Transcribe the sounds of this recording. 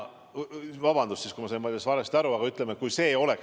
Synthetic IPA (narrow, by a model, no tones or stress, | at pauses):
vɑbɑnd̪ussiskujmɑsɑjnmvɑld̪ʲɑsvɑɾest̪æɾuɑɡɑyt̪ːˑlemet̪̚kujse̞ːo̞le̞k